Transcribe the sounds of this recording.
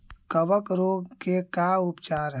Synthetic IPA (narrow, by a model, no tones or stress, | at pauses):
kəʋəkɾoːɡkekaupt͡ʃaːɾɦ